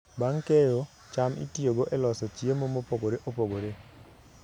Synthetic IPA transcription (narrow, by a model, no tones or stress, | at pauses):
baŋkejo | t͡ʃamḭtioɡoʔelɔsɔt͡ʃjemomopoɡoɾeʔopoɡoɾe